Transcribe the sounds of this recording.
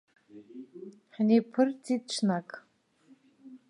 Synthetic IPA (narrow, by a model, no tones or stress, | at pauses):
ħnepʰɨrt͡sʰʼit̚ʈ͡ʂʷʰnakʼ